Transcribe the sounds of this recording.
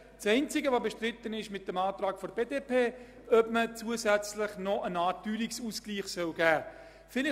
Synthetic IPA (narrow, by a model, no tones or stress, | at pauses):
sɛɪnt͡sɪɡəvobəʃtrɪt̪ːənɪʃmɪt̚d̥emɑːtrɑːkfɔɾbeːdeːpʰeː | œpmət͡suəzæt͡slɪχnɔʔənɑːtyːliksuskliːχsœlɡæː | fɪlɪ